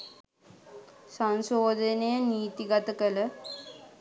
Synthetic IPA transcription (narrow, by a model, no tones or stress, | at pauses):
sansoːd̪ʱənejəniːt̪iɡɐt̪əkələ